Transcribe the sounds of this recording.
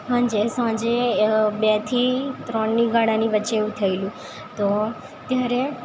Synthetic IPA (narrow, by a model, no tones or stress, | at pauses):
ɦãːɲd͡ʑesãːd͡ʑebɛt̪ʰit̪ɾɔɳnĩɡãɽ̃ãnĩʋət͡ʃeːũt̪ʰɐiljũ | t̪oː | t̪jaːɾe